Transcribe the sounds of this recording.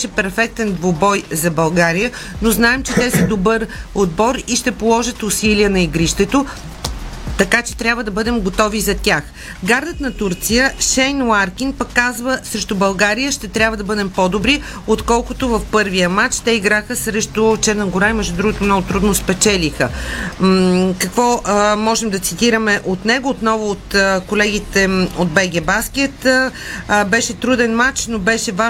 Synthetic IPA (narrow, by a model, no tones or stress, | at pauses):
ʃɛpɛɾfɛk̚t̪ɛnd̪vobɔjzɐbɐlˠɡaɾijənoznaɛmt͡ʃɛt̪ɛsid̪obɤɾod̪bɔɾiʃt̪ɛpolˠɔʒət̪ʊsiliənɐiɡɾiʃt̪ɛt̪o | t̪ɐkat͡ʃɛ̥t̪ɾʲabvəd̪ɐbɤd̪ɛmɡot̪ɔvizɐt̪ʲax | ɡaɾd̪ət̪nɐt̪uɾt̪sijəʃɛjnlaɾkinpəkːazvəsɾɛʃt̪obɐlˠɡaɾijəʃt̪ɛt̪ɾʲabvəd̪ɐbɤd̪ɛmpɔd̪obɾi | ot̪kɔlˠkʊt̪ʊvɐfpɤɾvijəmat͡ʃt̪ɛiɡɾaxəsɾɛʃt̪ot͡ʃɛɾnəɡʊɾaimɛʒd̪ʊd̪ɾuɡot̪ʊmnɔɡʊt̪ɾud̪nospɛt͡ʃɛlixə | kɐkvɔmɔʒɛmd̪ɐt̪sit̪iɾəmɛʔot̪nɛɡʊːt̪nɔvʊːt̪kolɛɡit̪ɛod̪̚bɛɡʲɛbaskʲɛt̪ː | bɛʃɛt̪ɾud̪ɛnmat͡ʃnobɛʃɛva